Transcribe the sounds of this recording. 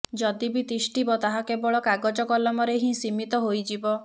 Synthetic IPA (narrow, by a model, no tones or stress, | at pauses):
d͡ʒɔd̪ibit̪isʈibɔt̪aɦakebɔɭɔkaɡɔd͡ʒɔkɔlɔmɔɾeɦĩsimit̪ɔɦojd͡ʒibɔ